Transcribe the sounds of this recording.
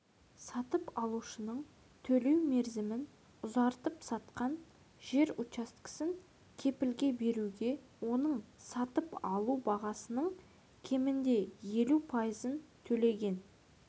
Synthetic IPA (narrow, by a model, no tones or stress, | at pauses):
sɑt̪əpɑlˠuʃənəɴ | t̪ʰɵle̞wme̞ɾzɪmɪn | ʊzɑɾt̪əpsɑt̪qɑn | ʒe̞ɾʊt͡ʃɑst̪kə̥sɪŋ | kʲʰe̞pɪlɡʲe̞be̞ɾuɡʲe̞ | wo̞nəɴsɑt̪əpɑlˠubɑʁɑsənəɴ | kʲʰe̞mɪnd̪e̞je̞lupʰɑjəzənt̪ʰɵle̞ɡʲe̞n